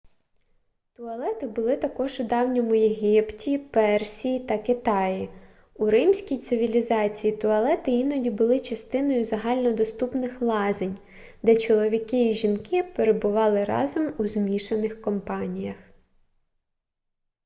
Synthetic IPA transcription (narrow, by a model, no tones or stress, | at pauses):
t̪ʊɐlˠɛt̪ɪbʊlˠɪt̪ɐkɔʒʊd̪ɑwnʲɔmʊjeɦʲiptʲipɛrsʲijit̪ɐkɪt̪ɑji | uɾɪmsʲkʲijt̪sɪʋʲilʲizɑt͡sʲijit̪ʊɐlˠɛt̪ɪinɔdʲibʊlˠɪt͡ʃɐst̪ɪnɔjʊzɐɦɑlʲnɔd̪ɔst̪upnɪxlˠɑzenʲ | d̪ɛt͡ʃɔlˠɔʋʲikɪiʒinkɪpeɾebʊʋɑlˠɪɾɑ̰zɔmuzmʲiʃenɪxkɔmpɑnʲijɐx